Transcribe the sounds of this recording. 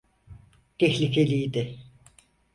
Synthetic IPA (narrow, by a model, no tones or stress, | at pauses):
t̪ʰɛçlʲicʰelʲijd̪ɪ